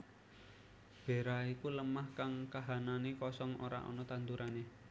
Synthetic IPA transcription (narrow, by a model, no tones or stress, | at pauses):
b̥e̤ɾaikuləmahkaŋkaɦananekɔsɔŋʔoɾa̰ʔɔ̰nɔt̪ant̪uɾane